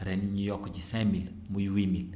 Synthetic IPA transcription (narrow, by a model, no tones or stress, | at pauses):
ɾɛnɲujɔkːd͡ʒisɛmil | mujwimil